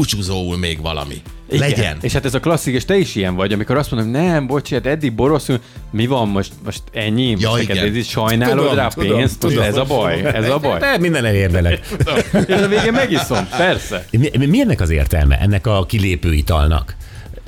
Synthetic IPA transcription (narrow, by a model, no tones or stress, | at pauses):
ut͡ʃuzoːulmeːɡvɒ̰lɒ̰mḭ | ilɡɛɛɛ̰neːʃhat̪ɛzɒklɒsːikeʃt̪ɛiʃijɛɱvɒɟɒmiko̞ɾɒst̪mond̪omonɛmbo̞t͡ʃiat̪ɛd̪ːiɡ̚bo̞ɾo̞su | mivɒmːo̞ʃt̪mo̞ʃt̪ɛɲːimjɛikɛt̪ɛziʃɒjnnaːlod̪raːɒpeːnst̪moʃɛzɒbɒjɛzɒbɒjd̪ɛmind̪ɛnɛleːrd̪ɛlɛɡ | ʃɒveːɡɛmmɛɡiso̞mpɛrsɛmiimiɛnːɛkɒzeːrt̪ɛ̰lmɛ̰ʔɛnːɛkɒkileːpøːit̪ɒ̰lnɒ̰k